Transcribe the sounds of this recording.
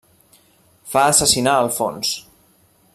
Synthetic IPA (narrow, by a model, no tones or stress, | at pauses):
faəsəsinaəlˠfo̰ns